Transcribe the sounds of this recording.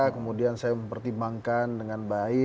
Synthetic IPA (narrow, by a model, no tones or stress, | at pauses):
akəmudiansajaməmpərt̪imbaŋkandəŋanbaɪ